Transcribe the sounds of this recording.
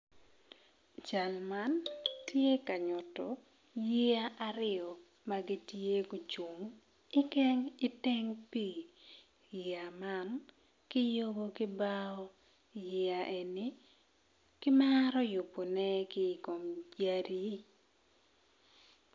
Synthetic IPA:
d͡ʒa˨lma˦ntje˦ka˨ɲʊ˨tɔ˨ | ji˦a˦ʔa˦ɾɪ˦ɔ˨ | ma˦ɡi˦tje˦ɡo˨t͡ʃo˨ŋ | ɪ˦kɛ˦ŋɪ˦te˦ŋpi˦˨ | a˨ma˦n | kɪ˦jo˦bo˦kɪ˦baɔ˦ | jɪ˦a˨ʔe˨nɪ˦ | kɪ˦maɾɔ˦jʊ˨po˨nɛ˦kɪ˦˨ko˨md͡ʒa˦ɾi˦

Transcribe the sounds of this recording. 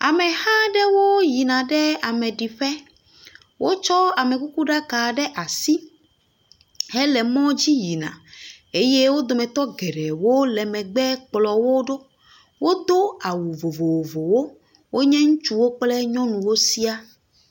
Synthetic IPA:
a˨mɛ˨hã˦ɖɛ˦wo˦ji˨nã˨ɖɛ˦a˨mɛ̃˨ɖi˨ɸɛ˦ | wʔo˦t͡ʃɔ˦a˨mɛ˨ku˦ku˦ɖa˦ka˨ɖɛ˦ʔa˨si˦ | hɛ˦lɛ˨mɔ̃˦d͡ʑi˦ji˨nã̰˨ | e˦je˦wo˦d̪o˨mɛ̃˨t̪ɔ˦ɡɛ˨ɖɛ˨wo˦lɛ˨mɛ̃˨ɡ͡bɛ˦k͡plɔ˨wo˦ɖo˦ | wo˦d̪o˦a˨wu˨vo˨vo˨wo˨vo˨wo˦ | wo˦ɲɛ̃˦ŋũ˦t͡ʃu˦wo˦k͡plɛ˦ɲɔ̃˦nũ˨wo˦si˦a˦

